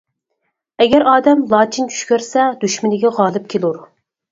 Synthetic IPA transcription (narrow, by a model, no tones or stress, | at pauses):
ɛɡʲɛɾɑːd̪ɛmlˠɑːt͡ʃʰint͡ʃʰy̥ʃkʲøɾsɛd̪yʃmɪnɪɡʲɛʁɑːlˠɨp̚kʲʰelˠuɾ